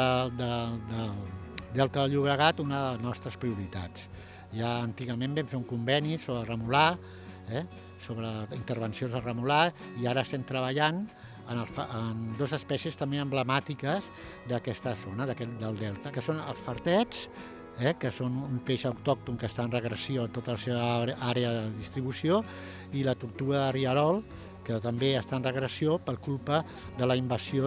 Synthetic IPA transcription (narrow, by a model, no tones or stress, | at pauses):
əd̪əd̪əld̪ɛlˠt̪əəʎuβ̞ɾəɣat̪unəðəlznɔst̪ɾəspɾiuɾit̪a̰t͡sː | aənt̪iɣəmembɛmfeuŋkumbɛnisoβɾərəmula | ɛ | soβɾəint̪əɾβ̞ənsionzərəmulaiaɾəːst̪ɛmt̪ɾəβəʎan | ənəlˠfənd̪ozəspɛsiəst̪əmbeəmbləmat̪ikəz | d̪əkɛst̪əzonəðəkɛd̪əlˠd̪ɛlˠt̪əkəsonə̰lˠsfəɾt̪ɛt͡s | ɛkəsonumpeʃəwt̪ɔk̚t̪uŋkəst̪aənrəɣɾəsioət̪ot̪ələseβəaɾeəðəðist̪ɾiβusio | ilət̪uɾt̪uəðəriəɾɔlˠ | kət̪əmbeəst̪aənrəɣɾəsiopəlˠkulˠpə | ðələimbəsio